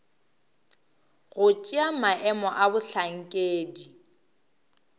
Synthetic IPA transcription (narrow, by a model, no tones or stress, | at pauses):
ɣʊt͡ʃʼiamaʔɛmɔʔabʊɬaŋ̩kʼeːdi